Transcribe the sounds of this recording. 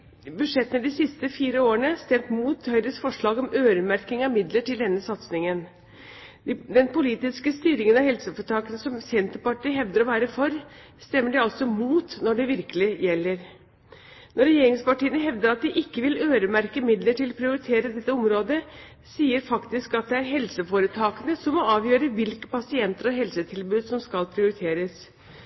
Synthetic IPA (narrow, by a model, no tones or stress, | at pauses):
bʉd̪ʂɛt̪ːənəd̪ɪsɪst̪əfiːɾəoːəɳəst̪ɛmt̪muːt̪hœʏɾəsfɔʂɭɑːɡɔmøːɾəmæɾkɪŋɑʋmɪd̪ləʈɪld̪ɛnːəsɑt̪snɪŋən | d̪ɛnpʊliːt̪ɪskəst̪yːɾɪŋənɑhɛlsəfɔʈɑːkənəsɔmsɛnt̪əpɑʈiːɦɛʋd̪əɾɔʋæːɾəfɔɾ | st̪ɛmːəɖɛɑlsɔmuːt̪nɔɖɛʋɪɾkəlɪjɛlːəɾ | nɔɾɛjeːɾɪŋspɑʈiːənəɦɛʋd̪əɾɑt̪̚d̪ɪʔɪkːəʋɪløːɾəmæɾkəmɪd̪ləʈʰɪlpʰɾɪʊɾɪt̪ʰeːɾəd̪ɛt̪ːəɔmɾoːd̪ə | siːəɾfɑkt̪ɪskɑt̪̚d̪ɛæɾɦɛlsəfoːɾət̪ʰɑːkənəsɔmːɔɑːʋjøːɾəʋɪlkə̥pɑsɪɛnt̪əɾɔɦɛlsət̪ʰɪlbʉːd̪sɔmskɑlpʰɾɪʊɾɪt̪ʰeːɾəs